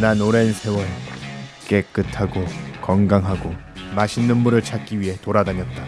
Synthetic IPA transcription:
nanoɾensʰe̞wʌɭk͈e̞k͈ɯtʰaɡokʌŋɡaŋɦaɡo | maɕʰinːɯmːuɾɯɭt͡ɕʰak͈iɥiɦe̞toɾadaɲʌt̚t͈a

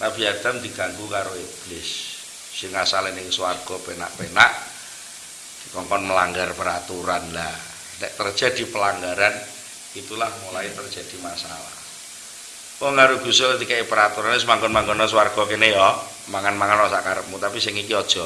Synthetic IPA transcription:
nabiad̪̥amd̪i̤ɡ̥aŋɡukaɾoeb̥lɪsː | ɪŋasalɪnɪŋsuwarɡ̥ɔpena̰ʔpenaʔ | d̥i̥kɔŋkɔnməlaŋɡarpəɾat̪uɾanla | dɛʔt̪ər̥ʒ̥a̤d̥i̤pəlaŋɡaɾan | it̪ulahmulait̪ərd͡ʒ̥a̤d̥imasala̰ | oŋaɾuɡ̥usɔkət̪ikaipəɾat̪uɾanɪs̬əmaŋkɔnmaŋɡɔnɔs̬uwarɡ̥ɔkenejɔ | maŋanmaŋanɔsakaɾəp̚mut̪apisɪŋikiɔd̥ʒ̥ɔ

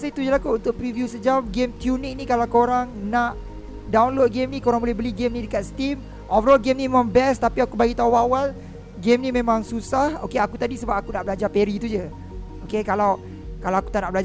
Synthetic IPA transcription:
asəit̪ud͡ʒəlakuunt̪ʊʔ̚pɾivjusəd͡ʒamɡemt̪junik̚nikalawkoɾaŋnaʔ | dawnlot̪̚ɡemnikoɾaŋbolɛhbəliɡemnĩdəkat̪st̪im | ʔɔvəɾɔlɡemnĩmemãŋbɛst̪apiakubaɡit̪auawal | ɡemnimẽmãŋsusahokeakut̪adisəbap̚akunaʔbəlad͡ʒapeɾit̪ud͡ʒə | okekalaw | kalawaku̥t̪aʔnaʔbəlad͡ʒa

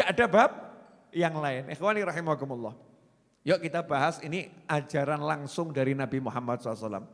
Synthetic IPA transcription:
aʔadabap̚ | jaŋlaɪnʔɪxwaniɾɑhimakumulˠːɑh | jɔʔkit̪abaɦasiniʔad͡ʒaɾanlaŋsʊŋdaɾinabimuhamːat̪̚sɔlsala̰m

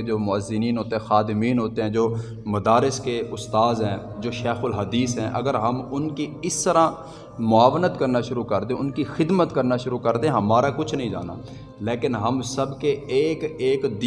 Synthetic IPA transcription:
d͡ʒoːmʊəzːɪniːnɦoːt̪eɦɛ̃ːxaːd̪ɪmiːnɦoːt̪eɦɛ̃ːd͡ʒoː | mɐd̪aːɾɪskeʊst̪aːzɦɛ̃ː | d͡ʒoːʃɛːxʊlɦɐd̪iːsɦɛ̃ʔɐ̰ɡəɾɦɐmʊnkiɪst̪əɾã | mʊaːʋnət̪kɐɾnaʃʊɾukəɾd̪ẽʊnkixɪd̪mət̪kəɾnaʃʊɾukəɾd̪ẽɦɐmaːɾakʊt͡ʃʰnəɦĩd͡ʒa̰ːna̰ː | leːkɪnɦɐmsəbkeeːkeːkd̪

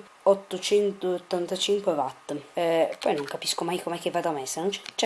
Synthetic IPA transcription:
ot̪ːot͡ʃɛnt̪oot̪ːant̪at͡ʃiŋkwevat̪ːpːɔjnoŋkapiskomajkomɛk̟evːad̪amesenont͡ʃɛ̥t͡ʃɛ

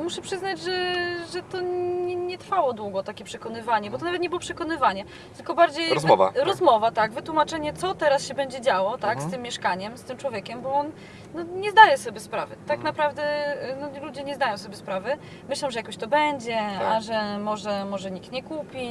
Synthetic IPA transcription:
muʂɛpʂɘznad͡ʑʐɛʐɛt̪ɔɛɲɛt̪ɾfawɔd̪wuɡɔt̪akʲɛpʂɛkɔnɘvaɲɛbɔt̪ɔnavɛt̪ɲɛbɘwɔpʂɛkɔnɘvaɲɛ | t̪ɘ̥lkɔbaɾd͡ʑejvva̰ɾɔzmɔvat̪aɡvɘt̪wumat͡ʂɛɲɛt̪sɔt̪ɛɾasɕɛbɛɲd͡ʑɛd͡ʑawɔt̪akst̪ɘmːjɛʂkaɲɛmst̪ɘmt͡ʂwɔvʲjɛkʲɛmbɔɔn | nɔɲɛzd̪ajɛsɔbʲjɛspɾavɨ̰t̪aknapɾavd̪ɛnɔlud͡ʑɛɲɛzd̪ajɔ̃w̃sɔbʲɛspɾavɘ | mɘɕlɛmʐɛjakɔɕt̪ɔbɛɲd͡ʑɛaʐɛmɔʐɛmɔʐɛɲik̚t̪ɲɛkupʲi

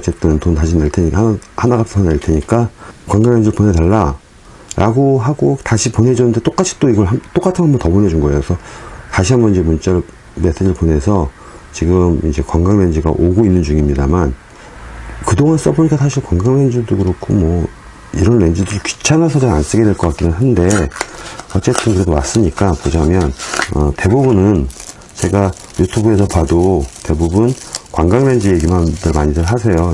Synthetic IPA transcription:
t͡ɕʰet̚t͈ʌntontaɕʰineɭtʰeɲikanhanaɡatʰsʰʌneɭtʰe̞ɲik͈akwaŋɡaŋend͡ʑiɾɭponetaɭːa | ɾʔa̰ɡoɦaɡotaɕʰipone̞d͡ʑʌnɯnde̞t͈ok͈at͡ɕʰi̥t͈oiɡʌɭɦamt͈ok͈atʰɯnŋɦambʌntʌbone̞d͡ʑunɡʌe̞josʰʌtaɕʰiɦambʌnid͡ʑe̞munt͡ɕ͈aɾ | me̞sʰed͡ʑɾɭpone̞sʰʌ | t͡ɕiɡɯmḭd͡ʑe̞kwaŋɡaŋne̞nd͡ʑiɡa̰ʔoɡoinːɯnd͡ʑuŋimɲidaman | kɯdoŋans͈ʌboɲik͈asʰaɕʰiɭkwaŋɡaŋlend͡ʑuduɡɯɾʌkʰomʌ | iɾʌnːe̞nd͡ʑudɯɾikɥi̥t͡ɕʰanasʰʌd͡ʑaans͈ɯɡe̞dwe̞ɭk͈ʌk͈ak͈inɯnɦande̞ | ʌt͡ɕ͈e̞t͈ɯnkɯɾe̞dowas͈ɯɲik͈apod͡ʑaɦamjʌnʌ̰te̞bubunɯn | t͡ɕe̞ɡa | jutʰubue̞sʰʌpadote̞bubunkwaŋɡaŋle̞nd͡ʑijeɡimandɯɭmaɲidɯɭɦasʰe̞jo

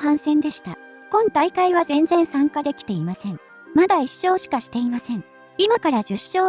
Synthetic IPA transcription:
hãɰ̃sẽ̞nd̪e̞ɕi̥t̪a̰ | kõ̞ŋt̪aikaiβazẽ̞nd͡zẽ̞ɰ̃sãŋkad̪e̞kʲi̥t̪e̞imasẽ̞ŋ | mad̪aiɕːo̞ːɕi̥kaɕi̥t̪e̞imasẽ̞ŋ | imakaɾad͡ʑɨɕo̞ː

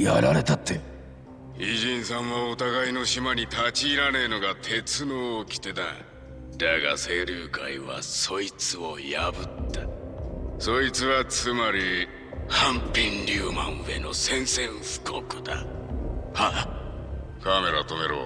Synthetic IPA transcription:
ja̰ɾa̰ɾe̞t̪at̪ːe̞ | iʑĩɰ̃sãɰ̃βaot̪aɡaino̞ɕimaɲ̟it̪at͡ɕiːɾane̞no̞ɡat̪ʰe̞t͡sɨno̞ːkʲi̥t̪e̞d̪a | d̪aɡa̰se̞ːɾɯːkaiβa̰so̞it͡sɨojabɯ̟t̪ːa | so̞it͡sɨβat͡sɨmaɾʲi | hãmpʲĩnɾʲɨːmã̰ɰ̃e̞̰no̞̰sẽ̞ɰ̃sẽ̞ɰ̃ɸɯ̥kʰokɯ̟d̪a̰ | ha | kame̞ɾat̪o̞me̞ɾo̰ː

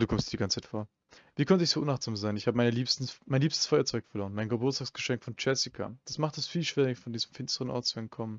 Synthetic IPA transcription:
duːkɔmstːdiɡant͡saɪtfoːɐ | viːkʰɔntəɪçz̥oːʔʊnaχz̥aːmzaɪnɪçhaːbəmaɪnəliːpstn̩maɪnliːpstə̥sfɔʏɐt͡sɔʏkfɛɐloːɐənmaɪnɡəbʊɐt͡sstaːksɡ̥əʃɛŋkfɔnt͡ʃɛsɪkʰa̰d̥asmaχtɛsfiːlʃv̥eːʁɪfɔndiːzm̩fɪnstəʁənʔɔ̰ɐtt͡suɛnt̚kʰɔmən

